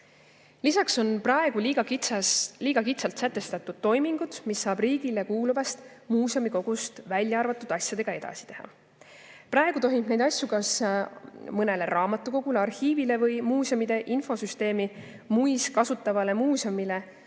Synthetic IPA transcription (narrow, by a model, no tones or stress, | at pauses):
lisɑkso̞nprɑe̞ɡ̥uliːɡ̥ɑktɑliːɡ̥ɑkit̪sɑlt̪sæt̪ːe̞st̪ɑt̪ːˑud̪̥̚t̪ːo̞jmiŋɡ̥ud̪̥misːɑːbriːɡ̥ile̞kuːluvɑst̪ | muːsomiko̞ɡ̥ust̪vælʲjɑɑrvɑt̪ːˑud̪̥ɑsʲjɑd̪̥e̞ɡ̥ɑe̞d̪̥ɑ̰si̥t̪e̞hɑ̰ | prʔɑeɡ̥ut̪o̞ɦimbne̞jd̪ɑsʲjukɑs | mɤne̞le̞ɾɑːmɑt̪ːˑuko̞ɡ̥uleɑrhiːvile̞vɤjmuːsomid̪̥e̞ʔinfo̞syst̪e̞ːmi | mujskɑsut̪ːˑɑvɑle̞muːsomile̞